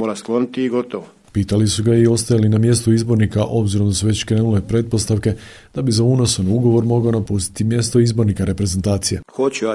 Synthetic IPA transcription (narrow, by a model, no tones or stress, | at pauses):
moːɾasklˠonit̪iiɡot̪oʋo | piːt̪alisuɡaio̞st̪ajalinamje̞st̪oizbo̞ɾnikaʔo̞bziɾod̪asuʋe̞t͡ɕkɾenule̞pɾe̞d̪̚po̞st̪aʋke̞ | d̪̥abizauno̞sanuɡo̞ʋo̞ɾmo̞ɡao̞napust̪i̥t̪imje̞st̪o̞izbo̞ɾnikaɾe̞pɾe̞zent̪aːt̪sije̞xot͡ɕua